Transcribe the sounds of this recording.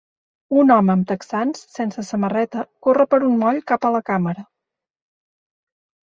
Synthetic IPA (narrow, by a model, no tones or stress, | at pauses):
unɔməːmt̪əksansːensəsəmərɛt̪əkorəpəɾunmɔʎkapələkaməɾə